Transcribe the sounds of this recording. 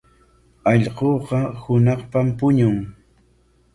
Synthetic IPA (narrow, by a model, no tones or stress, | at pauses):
ɑʎɢoːqɑhʊnɑχpampʊɲʊŋ